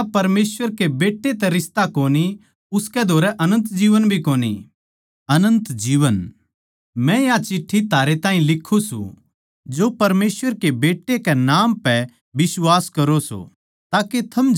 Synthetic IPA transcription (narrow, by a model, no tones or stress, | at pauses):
apɐɾmeːsʋəɾkebeːʈːet̪ɛɾɪst̪akoːni | ʊskɛd̪ʱoːɾɛʔɐnə̃nt̪d͡ʒiːʋənbʱikoːnḭ | ɐnə̃nt̪d͡ʒiːʋən | mɛ̃jat͡ʃɪʈʰːit̪ʰaːɾet̪ãːɦĩlɪkʰːusṵ̃ | d͡ʒoːpɐɾmeːsʋəɾkebeːʈːekɛnaːmpɛ | ʋɪswaːskɐɾoso̰ | t̪aːket̪ʰɐm